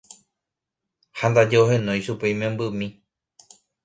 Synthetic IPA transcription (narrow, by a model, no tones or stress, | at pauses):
hand̪ad͡ʒeohẽ̞nõj̃ʃupe̞jmẽmbɨmĩ